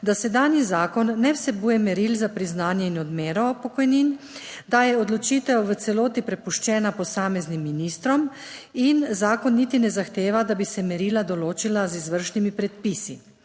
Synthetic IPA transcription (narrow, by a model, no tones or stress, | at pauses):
d̪asɛd̪aːnjizaːkɔnːɛwsɛbuːjɛmɛɾilzapɾiznaːnjɛinɔd̪meːɾɔpɔkɔjnin | d̪ajɛɔd̪lɔt͡ʃiːt̪ɛwʋət̪sɛloːt̪ipɾɛpuʃt͡ʃɛːnapɔsaːmɛznimːinist̪ɾɔminzaːkɔnːit̪inɛzaxt̪eːʋad̪abisɛmɛɾilad̪ɔloːt͡ʃilazizʋəɾʃnimipɾɛt̪̚pisi